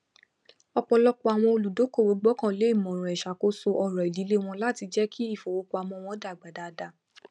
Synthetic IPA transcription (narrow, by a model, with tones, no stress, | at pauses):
ɔ˧k͡pɔ˧lɔ˦ko˦a˨w̃ɔ̃˧o˧lu˨do˨˦ko˦˨wo˨˦ɡ͡bɔ˦kã˦˨le˨˦i˦˨mɔ̃˨ɾ̃ũ˨ɛ˨ʃa˨ko˦so˧ʔɔ˧ɾɔ˨i˨di˨˦le˦w̃ɔ̃˧la˦˨ti˧d͡ʒɛ˦kʰi˦i˦˨fo˨wo˨˦ko˧˦a˨wɔ̃˧w̃ɔ̃˧˦da˨ɡ͡ba˨da˨˧da˧